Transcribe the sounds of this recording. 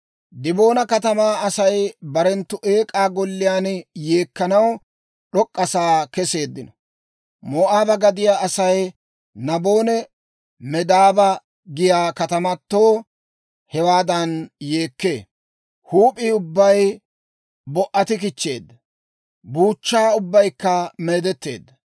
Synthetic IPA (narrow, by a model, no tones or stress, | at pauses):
d̪ɪbo̞ːnɐkɐt̪ɐmaːɐsɐjbɐɾɛnt̪ːʊʔe̞ːkʼaːɡɔlːɪjaːnjeːkːɐnɐw | ɗɔkʼːɐsaːkɛse̞ːd̪ːɪnɔ | moːʔaːbɐɡɐd̪ɪjaːɐsɐj | nɐbo̞ːnɛ | mɛd̪aːbɐ | ɡɪjaːkɐt̪ɐmɐt̪ːo̞ː | hɛwaːd̪ɐnje̞ːkːe̞̰ː | huːpʼiːʊbːɐj | bɔʔɐt̪ɪkɪt͡ʃːe̞ːd̪ːɐ | buːt͡ʃːaːʊbːɐjkːɐmeːd̪ɛt̪ːe̞̰ːd̪ːɐ